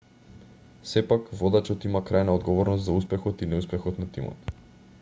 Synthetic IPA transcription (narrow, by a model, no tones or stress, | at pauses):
sɛpakvɔd̪at͡ʃɔt̪imakɾajnaɔd̪ɡɔvɔɾnɔst̪zauspɛxɔt̪inɛuspɛxɔt̪nat̪imɔ̰t̪